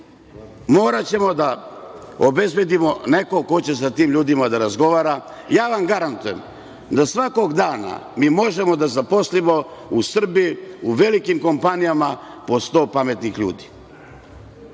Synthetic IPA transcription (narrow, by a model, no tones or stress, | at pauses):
mo̞ːɾat͡ɕe̞mo̞d̪a | obe̞zbje̞d̪imo̞ne̞ko̞ko̞t͡ɕe̞sat̪iːmʎuːd̪imad̪aɾazɡo̞ʋaːɾa | jaːʋamɡaɾant̪uje̞m | d̪asʋako̞ɡd̪aːna̰miːmo̞ʒe̞mo̞d̪azapo̞slimo̞usr̩biuʋe̞likimko̞mpanijama | po̞st̪o̞ːpame̞t̪nixʎṵːd̪i̥